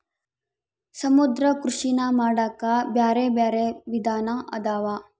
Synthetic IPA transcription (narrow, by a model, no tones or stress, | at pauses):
sɐmud̪ɾɐkɾuʃinaːmaːɽaːkabjaːɾebjaːɾeʋid̪ʱaːnaʔɐ̰d̪aːʋaː